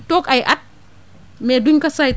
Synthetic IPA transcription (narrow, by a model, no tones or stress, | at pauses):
tokɐjʔɐt̚ | mɛduɲkɐsaj